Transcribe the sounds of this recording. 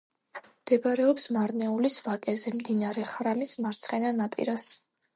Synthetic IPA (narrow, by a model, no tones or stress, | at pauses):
md̪̥ɛbaɾɛɔpsmaɾnɛulisvakʼɛzɛmd̪inaɾɛχɾamismaɾt̪sʰχɛnanapʼḭɾas